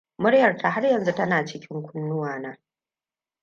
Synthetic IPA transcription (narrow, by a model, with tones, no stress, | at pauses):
mʊ˦ɽjɐ˨rtʰa˨ɦa˦rjɐ˨nzu˦tɐ˦naː˨t͡ʃɪ˦kʲɪ˦ŋkʷʊ˦nːʊ˦waː˨naː˦